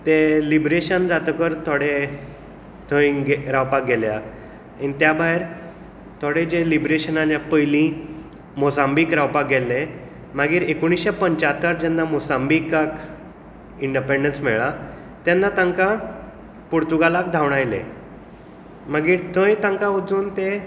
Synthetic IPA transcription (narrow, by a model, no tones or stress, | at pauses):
t̪elibɾeɕənd͡zat̪əkəɾt̪ʰoɽe | t̪ʰə̃jɡeɾawpak̚ɡɛlja | anit̪jabʱaeɾ | t̪ʰoɽed͡ʑelibɾeɕənanjapəjlĩ | mɔsãmbiːkɾawpak̚ɡɛlːe | maɡiːɾekoɽ̃isɕapəɲt͡ɕat̪əɾd͡ʑanːamosambikak | iɳɖipeɳɖənsmɛɭa | t̪janːat̪ãŋka | puɾt̪uɡalak̚d̪ʱawɳ̃ajlḛ | maɡiːɾt̪ʰə̃jt̪ãŋkaud͡zuːnt̪e